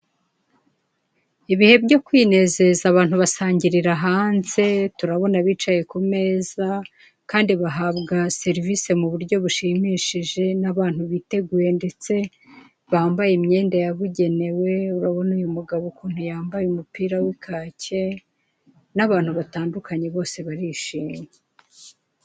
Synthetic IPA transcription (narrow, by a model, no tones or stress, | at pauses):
iβihe̞bɟo̞kwiːne̞ze̞zaβaːnhuβasaːɲɟiɾiɾaɦaːnze̞tuɾaβo̞naβiːt͡ʃaje̞kume̞ːza | kaːndiβaɦaβɡase̞ɾiviːse̞muβuɾɟo̞βuʃimiːʃiʒe̞naβaːnhuβiːte̞ɡuje̞nde̞t͡se̞ | βaːmbajemɲe̞ːndajaβuɟe̞ne̞we̞uɾaβo̞nujumuɡaβo̞kuːn̥hujaːmbajumupiːɾawikʰaːcʰe̞ | naβaːn̥huβataːndukaɲe̞βo̞ːse̞βaɾiʃiːme